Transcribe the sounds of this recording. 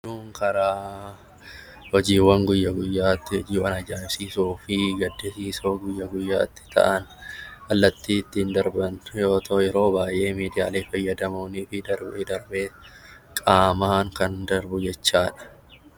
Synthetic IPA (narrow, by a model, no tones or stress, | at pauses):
nuːŋkʰɐɾaː | hɔd͡ʒiːwːɐŋɡʊjːɐɡʊjːaːt̪ːɪhɔd͡ʒiːwɐnɐd͡ʒaːɾsiːsuːfɪɡɐd̪ːɛsiːsoːɡʊjːɐɡʊjːa̰ːt̪ːɪ̥t̪ɐ̰ʔɐnɐlːɐt̪ːiːt̪ːɪnd̪ɐɾbɐnjo̞ːt̪ʰoːjɛɾo̞ːbaːjʔe̞ːmiːd̪ɪja̰ːle̞ːfɐjːɐd̪ɐmoːniːfɪd̪ɐɾbd̪ɐɾbeː | kʼaːmaːŋkɐnd̪ɐɾbʊd͡ʒɛt͡ʃːaːᶑɐ̥